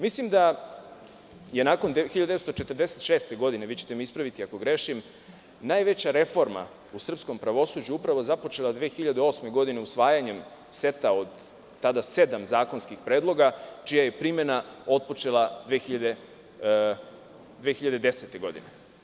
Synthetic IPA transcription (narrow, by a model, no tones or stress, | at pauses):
mislimd̪a | je̞naːkond̪xiʎad̪est̪ot͡ʃe̞t̪ərd̪eset̪ʃeːst̪e̞ɡo̞d̪ine̞ʋit͡ɕe̥t̪emiispɾaʋit̪iako̞ɡɾe̞ʃim | najʋe̞t͡ɕaɾe̞fo̞ɾma̰ | usr̩psko̞mpɾaʋo̞suːd͡ʑuupɾaʋo̞zapo̞t͡ʃe̞lad̪ʋeːxiʎad̪eo̞sme̞ɡo̞d̪ineusʋaːjaɲe̞m | se̞t̪aod̪ː | ad̪ase̞d̪amzaːko̞nskixpɾeːd̪lˠo̞ɡat͡ʃijaje̞pɾime̞nao̞t̪̚po̞t͡ʃe̞lad̪ʋexiʎad̪e | d̪ʋeːxiʎad̪ed̪e̞set̪e̞ɡo̞d̪ḭne̞